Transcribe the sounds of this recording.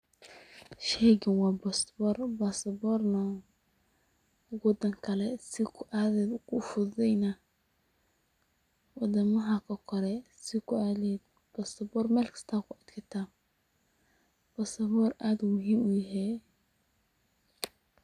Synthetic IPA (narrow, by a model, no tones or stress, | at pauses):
ʃɛɡɪnwaːbɔst̪bɔrbasɐbɔɾnɐ | wɔd̪ɐŋkʰɐlɛsɪkʰʊʔadɛd̪kʰʊfʊðɛjnɐ | wɑd̪ɐmɐɦɐkʰɐkʰɔɾɛsɪkʊad̪ɛd̪ | b̥ɔst̪ɐbɔrmɛlkʰɪ̥st̪ʰakʊɐd̪kʰɪt̪a | b̥ɐsɐbɔɾad̪ʊmʊɦiːmʊjɪɦɛ